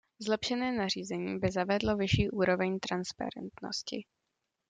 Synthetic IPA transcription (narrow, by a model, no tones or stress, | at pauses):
zlɛpʃɛnɛːnar̝iːzɛɲiːbɪzavɛdlo̞vɪʃiːʔuːɾo̞vɛɲt̪ɾanspa̰ɾɛ̰nt̪no̰scɪ